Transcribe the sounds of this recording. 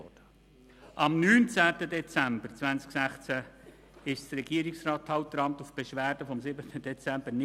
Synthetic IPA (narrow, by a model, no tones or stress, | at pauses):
ɔd̥ə | ʔɑmnyːnt͡sæːtədɛt͡sæmbəɾt͡sʋænt͡sksæχt͡sæ | ɪʃtəɾɛɡ̥iəɾiksrɑːtːʰhɑwt̚dəɾɑmt̪ufb̥ɛʃʋæːrd̥əfɔmsɪbətʰəd̥ɛt͡sæmb̥ənɪ